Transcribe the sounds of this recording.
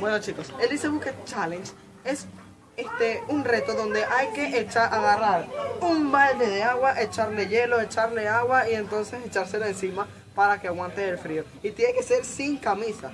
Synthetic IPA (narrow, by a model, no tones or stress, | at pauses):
bwe̞not͡ʃiko̞seld̪iseβuket͡ʃalent͡ʃ | e̞s | est̪eunre̞t̪o̞ðo̞nd̪e̞ʔajke̞ʔet͡ʃaɾʔaɣaraɾumbald̪eðeaɣwaʔe̞t͡ʃaɾle̞ʝe̞lo̞e̞t͡ʃaɾle̞aɣwaie̞nt̪o̞nse̞se̞t͡ʃaɾse̞laensima | paɾakeaɣwant̪eːlfɾio̞ | it̪je̞neke̞se̞ɾsiŋkamisa